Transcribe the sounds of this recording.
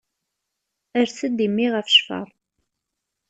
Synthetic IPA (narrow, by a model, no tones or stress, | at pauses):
əɾθəd̪imːiʁəfʃfə̰ɾˤ